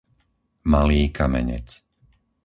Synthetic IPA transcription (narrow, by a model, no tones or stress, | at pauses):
maliːkʰamɛ̰ɲɛ̰t͡s